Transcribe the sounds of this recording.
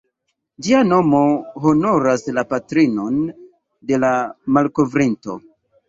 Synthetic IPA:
d͡ʒiano̞mo̞ɦo̞no̞ɾaslapatɾino̞n | de̞lamalko̞vɾinto̞̰

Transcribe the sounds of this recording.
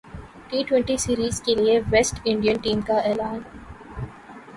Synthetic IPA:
ʈiːʈwɛ̃ɳʈisiːɾiːzkelieʋesʈɪ̃ɳɖijə̃nʈĩːmkaeːlãːn

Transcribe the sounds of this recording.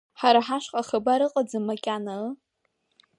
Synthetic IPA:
ħaɾaħaʂqʼaχabaɾɨqʼad͡zamakʲʼana

